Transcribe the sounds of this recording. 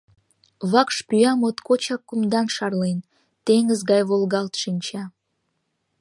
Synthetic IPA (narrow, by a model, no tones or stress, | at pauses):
βɑkʃpyɑmot̪kot͡ɕɑkːumd̪ɑnʃɑrlen | t̪eŋəzɣɑjβolɣɑlt̪ʃinʲt͡ɕɑ